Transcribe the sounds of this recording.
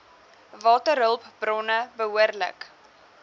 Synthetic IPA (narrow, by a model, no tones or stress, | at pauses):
vɑːtəɾɦəlˠpb̥rɔnəbəɦuərlə̰k